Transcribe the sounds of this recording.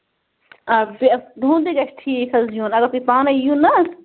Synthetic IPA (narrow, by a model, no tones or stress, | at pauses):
bd̪ʱũːnd̪iɡɐʃʈʰiːkʰɐzjuːnɐɡɐpit̪aːnɐjũnɐs